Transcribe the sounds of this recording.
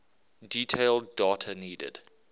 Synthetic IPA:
diːtʰeɪlˠdɔːtʰəniːdə̰d̥

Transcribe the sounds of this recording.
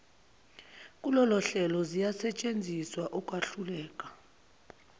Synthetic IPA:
kʼulɔlɔɬɛlɔzijasɛt͡ʃʼend͡zʱiswaʔukʼwaɬulɛːkʼḁ

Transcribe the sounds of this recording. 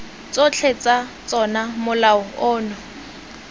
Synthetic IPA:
t͡sʼot͡ɬʰet͡sʼat͡sʼɔnamʊlaʊʊːnɔ

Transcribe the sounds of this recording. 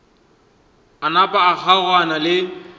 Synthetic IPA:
anapʼaːk͡xʰaɣwanalɪ

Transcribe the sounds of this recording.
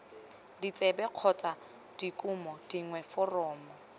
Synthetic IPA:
dit͡sʼɛbɛq͡χʰɔt͡sʼa | d̥ikʼʊmɔd̥iŋwɛfɔrɔːmɔ

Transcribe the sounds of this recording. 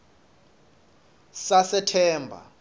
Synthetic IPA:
sasɛtʰɛːmbʱa̰

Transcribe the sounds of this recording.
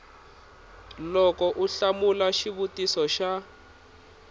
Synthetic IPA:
lɔkɔʔuɬamulaʃiβutisɔʃa

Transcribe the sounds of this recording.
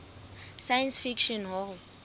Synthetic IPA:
sajansfikʃɔnɦɔ

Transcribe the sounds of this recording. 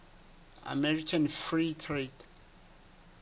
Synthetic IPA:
a̰mɛɹikʰanfɹitʰret

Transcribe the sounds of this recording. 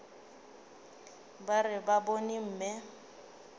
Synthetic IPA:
barɪbabonim̩ːmɛ

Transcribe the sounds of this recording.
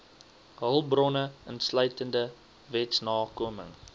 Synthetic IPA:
ɦəlˠbrɔnəənslœɥtəndə | vɛtsnɑːkuəmə̰ŋ

